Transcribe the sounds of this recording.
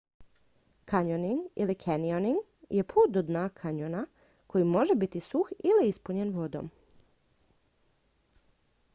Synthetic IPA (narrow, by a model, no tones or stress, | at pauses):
kaɲoniŋɡḭlikʰenioniŋɡ | je̞pʰuːt̪̚d̪od̪naːkʰaɲona | kʰo̞jimo̞ʒebit̪isuxiliispuɲenʋo̞d̪o̰m